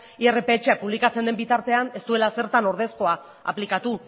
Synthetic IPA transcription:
iere̞pe̞ːt͡ʃe̞apuβ̞likat͡se̞nd̪e̞mbit̪aɾt̪e̞ane̞st̪ue̞lase̞ɾt̪ano̞ɾð̞e̞sko̞a | a̰plikat̪u

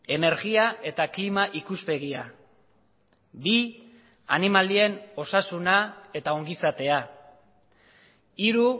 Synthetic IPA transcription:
e̞ne̞ɾɣiae̞t̪aklimaʔikuspe̞ɣia | bi | a̰nimalie̞no̞sasunae̞t̪ao̞ŋɡisat̪e̞a | iɾu

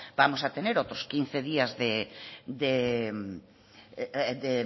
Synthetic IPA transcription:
b̥amosat̪eneɾot̪ɾʊskin̟θeðiɐzðed̪e | d̪e

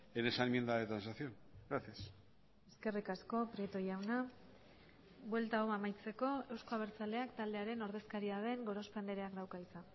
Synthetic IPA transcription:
enesanmjend̪aet̪ɾansaθion | ɡɾaθias | e̞ske̞rikasko̞pɾiet̪o̞jawna | βwe̞lt̪aomamajt͡se̞ko̞e̞wsko̞aβ̞e̞ɾt͡sald̪e̞akt̪ald̪e̞aɾe̞no̞ɾðe̞skaɾiað̞e̞ŋɡo̞ɾo̞spend̪eɾe̞akd̪awkaisan

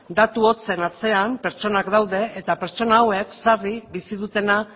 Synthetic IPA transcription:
d̪at̪uo̞t͡se̞nat͡se̞ampe̞ɾt͡ʃo̞nakd̪awðe̞et̪ape̞ɾt͡ʃo̞naːwe̞ksaribisiðut̪e̞na

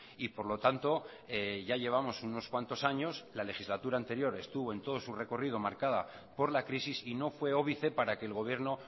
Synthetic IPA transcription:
ipo̞ɾlo̞t̪ant̪o̞ | eʝaʝe̞β̞amo̞suno̞skwant̪o̞saɲo̞slale̞xizlat̪uɾaːnt̪e̞ɾjo̞ɾe̞st̪uβo̞e̞nt̪o̞ð̞o̞sure̞ko̞rið̞o̞maɾkaða̰ | po̞ɾlakɾisisino̞fwe̞o̞β̞iθe̞paɾake̞ːlɣo̞β̞je̞ɾno̞

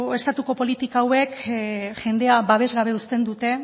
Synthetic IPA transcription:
e̞st̪at̪uko̞po̞lit̪ikaːwe̞kʝe̞nd̪e̞aβaβ̞e̞zɣaβ̞e̞ust̪e̞nd̪ut̪e̞

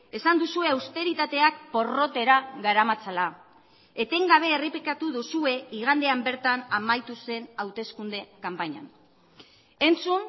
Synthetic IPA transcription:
e̞sand̪usue̞awst̪e̞ɾit̪at̪e̞ak̚po̞ro̞t̪e̞ɾaɡaɾamat͡sala | e̞t̪e̞ŋɡaβ̞e̞ːreplikat̪uðusue̞iɣ̞and̪e̞ambe̞ɾt̪anamajt̪use̞nawt̪e̞skund̪e̞kampaɲa̰n | e̞nt͡sun

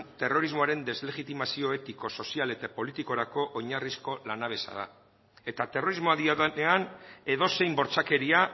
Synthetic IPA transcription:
t̪e̞ro̞ɾizmo̞aɾe̞nd̪e̞zle̞ɣit̪imasio̞e̞t̪iko̞so̞siale̞t̪apo̞lit̪iko̞ɾako̞ʔoɲarisko̞lanaβ̞e̞sa̰ða̰ | e̞t̪at̪e̞ro̞ɾizmo̞aðianeane̞ðo̞se̞jmbo̞ɾt͡sake̞ɾia

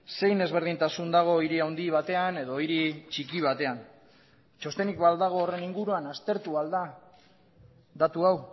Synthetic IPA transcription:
se̞jne̞zβ̞e̞ɾð̞int̪asund̪aɣ̞o̞iɾiawnd̪iβ̞at̪e̞ane̞ðo̞iɾit͡ʃikiβ̞at̪e̞an | t͡ʃo̞st̪e̞nikbald̪aɣ̞o̞ːre̞niŋɡuɾuanast̪e̞ɾt̪uald̪a | d̪at̪uaw

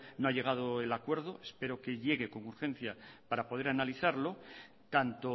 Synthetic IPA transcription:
noaʎe̞ɣ̞að̞o̞e̞lakwe̞ɾð̞o̞e̞spe̞ɾo̞ke̞ʎe̞ɣ̞e̞ko̞ŋuɾxẽ̞n̟θjapaɾapo̞ð̞e̞ɾanaliθaɾlo̞ | t̪ant̪o

